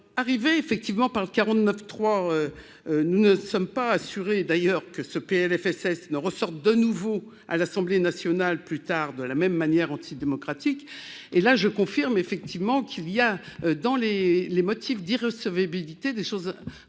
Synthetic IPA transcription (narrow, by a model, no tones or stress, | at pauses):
aʁiveːfɛk̚t̪ivmɑ̃paʁləkaʁɑ̃t̪nœft̪χwaø | ønunəsɔmpaːsyʁed̪ajœʁkəsəpeɛlɛfɛsɛsnəʁəsɔʁt̪̚d̪ənuvo | a̰lasɑ̃blenasjɔnalplyt̪aʁd̪əlamɛmːanjɛʁɑ̃t̪ʰid̪emɔkχat̪ik | elaʒəkɔ̃fiʁmefɛk̚t̪ivmɑ̃kʰilijaød̪ɑ̃lelemɔt̪ʰifd̪iʁəsəvabilit̪ed̪eʃoz